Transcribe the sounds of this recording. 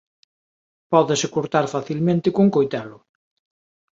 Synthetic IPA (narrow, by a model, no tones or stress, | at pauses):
pɔðɪsɪkoɾt̪aɾfaθilmẽnt̪ɪkoŋkojt̪alʊ